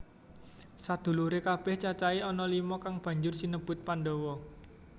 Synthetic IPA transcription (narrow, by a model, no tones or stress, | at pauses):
sad̪̥ṳluɾekab̥ɛht͡ʃat͡ʃaiɔnɔlimɔkaŋb̥ä̤ɲd͡ʒʊrsinəb̥ʊ̤t̪̚panɖɔwɔ